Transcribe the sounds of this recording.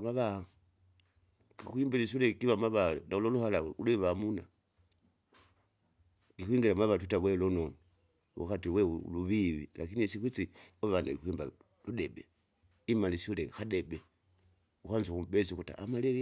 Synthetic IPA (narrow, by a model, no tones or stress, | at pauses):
maβa | kixwiːmbilisulekiβamaβanauloluhalauleβamuna̰ | kixwiːŋɡilamaβatutaβwelononi | ṵxatiweṵluβiβḭla̰kinisixit͡sioβandaixwiːmba | ludebe | imalisulexadebe | uxanzuxubet͡siuxuta̰ːmalel